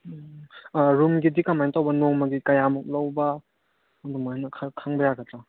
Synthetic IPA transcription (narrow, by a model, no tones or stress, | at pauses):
ɾumɡidikamajntawbɐnoŋmɐɡikɐjamɔk̚lɐwbɐː | dumanɐkʰkʰaŋbɐjaɡɐtɾa